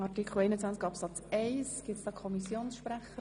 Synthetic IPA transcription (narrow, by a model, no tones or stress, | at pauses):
ɑɾtikʰχl̩ˠɛɪnət͡sʋænt͡skɑpsɑt͡seɪsɡ̥ɪtsd̥ɑːkʰɔmisjoːnsʃpɾæχə